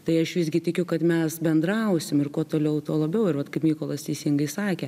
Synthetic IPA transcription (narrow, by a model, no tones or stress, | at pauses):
t̪ɐɪɐʃʋʲɪzʲɡʲɪt̪ʲɪkʲʊkɐt̪mʲɛsbʲɛnd̪ɾɐʊsʲɪmɪrkuɔt̪oːlʲɛʊt̪oːlˠɐbʲɛʊɪɾʋɐt̪kɐɪpmʲiːkoːlˠɐst̪ʲɛɪsʲɪŋɡɐɪsɑːkʲɛ